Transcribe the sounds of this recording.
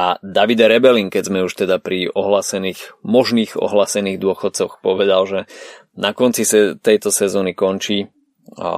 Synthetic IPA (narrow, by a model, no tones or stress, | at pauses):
ʔad̪aʋid̪aɾɛbɛliŋkɛzmɛuʃt̪ɛd̪apɾiʔɔɦlaːsɛniːɣmɔʒniːɣɔ̰ɦlaːsɛniːɣd̪ʊɔxɔt̪̚t͡sɔxpɔʋɛd̪alʒɛ | nakɔnt͡sisɛt̪ɛjt̪ɔsɛzɔnikɔnt͡ʃi